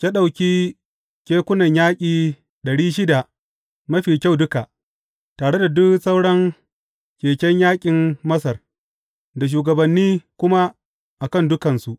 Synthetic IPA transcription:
kʲa˦ɗa˨wkʲiː˦ | kʲeː˦kʷʊ˦nɐ˨ɲjaː˦kʲʼiː˨ | ɗɐ˨ɽiː˦ʃɪ˦da˨ | mɐ˦ɸiː˨kʲa˦˨wdʊ˦ka˨ʔ | taː˨ɽe˦da˨dʊ˦ksɐ˦wɽɐ˦ŋ | kʲeː˨kʲɛ˦ɲjaː˦kʲʼɪ˨mːɐ˦sɐ˨r | da˨ʃ̬uː˨ɡɐ˨bɐ˨nːiː˦kʷʊ˦ma˦ | ʔa˨kɐ˦˨ndʊ˦kɐ˨nsu˨ʔ

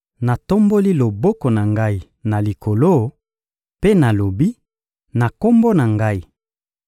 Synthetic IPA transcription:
na˨to˦mbo˦li˦lo˨bɔ˦ko˨na˨ŋɡa˦i˦ | na˨li˨ko˨lo˦ | pe˦na˨lo˨bi˦ | na˨ko˦mbo˦na˨ŋɡa˦i˦

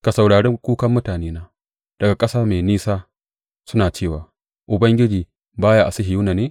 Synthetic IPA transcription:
ka˨sɐ˨wɽaː˨ɽɛ˦ŋkʷuː˦kɐ˦mːʊ˦taː˨neː˦naː˦ | d̥ɐ˨ɡa˨kʼɐ˦saː˦me˨niː˦saː˦ | sʊ˦naː˨t͡ʃeː˦˨waː˨ | ʔʊ˨bɐ˦ŋɡʲɪ˦d͡ʒiː˨ | baː˦jaː˦ʔa˨sɪ˦ɦɪ˨juː˦naː˨neː˦

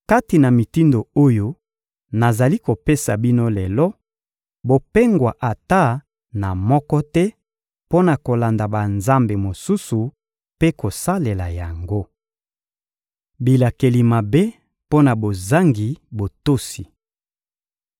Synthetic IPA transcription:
ka˦ti˨na˨mi˨ti˦ndo˨o˦jo˦ | na˨za˨li˦ko˨pe˦sa˨bi˦no˦lɛ˨lɔ˦ | bo˨pe˦ŋɡwa˨ʔa˨ta˦ | na˨mɔ˦kɔ˦tɛ˦ | po˦na˨ko˨la˨nda˨ba˨nza˦mbe˨mo˨su˦su˨ | pe˦ko˨sa˦le˨la˨ja˨ŋɡo˦ | bi˨la˨ke˨li˨ma˨be˦ | po˦na˨bo˨za˦ŋɡi˨bo˨to˦si˨

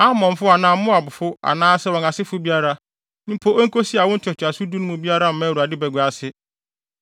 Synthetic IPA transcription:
a˦mɔ̃˨ɱ˨fʊ˦a˨nãː˨˦mʊ̃˦a˨bʊ˨fʊ˦a̰˨nãː˦sɛ˦wɔ̃˨na˨sɪ˦fʊ˦bi˦a˦ɾa˦ | nɪ̃˦pʰo˦ʔæ˦ŋ̩˦ko˦si˦a˨wɔ̃˦n̩˦tʰɛ˨tʰʊ˨a˨sʊ˦du˦nʊ̃˦mʊ̃˦bi˦a˦ɾa˦m̩˨mãː˦˨u˨a˨dɪ˦bɛ˨ɡʷa˨sɪ˦

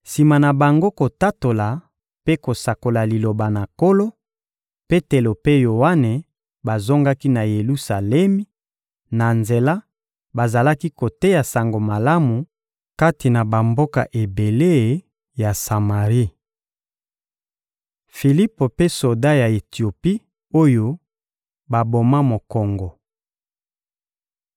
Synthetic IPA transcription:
si˨ma˨na˨ba˨ŋɡo˦ko˨ta˦to˨la˨ | pe˦ko˨sa˨ko˨la˨li˨lo˨ba˨na˨ko˦lo˦ | pe˦te˨lo˨pe˦jo˨wa˦ne˨ | ba˨zo˦ŋɡa˦ki˦na˨je˨lu˦sa˨lɛ˦mi˦ | na˨nze˨la˦ | ba˨za˨la˦ki˦ko˨te˦ja˨sa˨ŋɡo˨ma˨la˦mu˨ | ka˦ti˨na˨ba˨mbo˦ka̰˨ʔe˨be˨le˦˨ | ja˨sa˨ma˨ʁi˦ | fi˨li˦po˨pe˦so˨da˦ja˨e˨ti˨o˨pi˦ | o˦jo˦ | ba˨bo˨ma˦mo˨kɔ˨ŋɡɔ˨

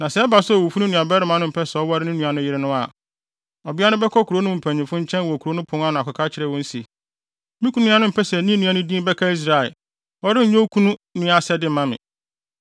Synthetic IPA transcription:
nã˨sɛ˦ba˨sʊ˦˨wo˨fu˦nũ˦nũ˨a˨bɛː˦ɾɪ˦mã˨˦nʊ̃˦m̩˨pʰɛ˦sɛ˨ɔ˦wa˦ɾɪ˦nʊ̃˦nũ˨a˨nʊ̃˦jɪ˦ɾɪ˦nʊ̃˦a˨ | ɔ˨bɪ˦a˦nʊ̃˦bɛ˦kʰɔ˦kʰu˨ɾo˦nʊ̃˦˨m̩˨pʰæ̃˨ɲ˨ɪ̃˨mfʊ̃˦ɲ̩˦t͡ɕʰɛ̃˦n˨wɔ˨kʰu˨ɾo˦nʊ̃˦pʰʊ̃˦ŋã˦nʊ̃˨a˨kʰʷʊ˨kʰa˦t͡ɕʰɪ˨ɾɛ˦˨wɔ̃˦n̩˦si˨ | mĩ˦ku˦nũ˦ã˦nʊ̃˦m̩˨pʰɛ˦sɛ˨nĩ˦nũ˨˦ã˨nʊ̃˦dĩ˦bɛ˦kʰa˦i˦s̬ɾa˨ɛ̰˨ | ɔ˦ɾɪ˦˨ɲõ˦kʰu˦nũ˦nɪ̃˦a˦˨sɛ˦dɪ˦m̩˨mã˦mɪ̰̃˨

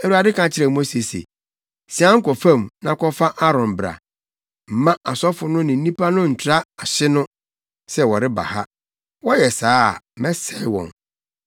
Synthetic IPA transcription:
ɛ˨u˨a˨dɪ˦kʰã˨t͡ɕʰɪ˦ɾɛ˨mo˦se˨sḛ˨ | si˨ã˦ŋ̩˦kɔ˨fã˦mnã˨kʰɔ˦fa˦ʔa˦ɾɔ̃˨mbɾa̰˨ | m̩˨mã˦ʔa˨sɔ˦fʊ˨nʊ̃˦nɪ̃˨n̩˦ĩ˦pʰa˦nʊ̃˦n̩˨tʰɾa˦a˨ɕɪ˦nʊ̃˦ | sɛ˦wɔ˨ɾɪ˦ba̰˨ha˦ | wɔ˦jɛ˨saː˦˨mɛ̃˦sɛ˦˨wɔ̰̃˨n

